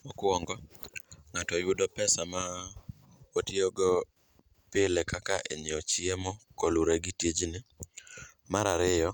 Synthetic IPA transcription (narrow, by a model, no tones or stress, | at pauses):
mɔkɔŋɡɔŋatɔjʊdɔpɛsama | otioɡɔ | pɪlɛkakaʔḛɲɪɔt͡ʃɪemɔkɔluɾeɡɪtjed͡ʒnɪ | maɾaɾɪjɔ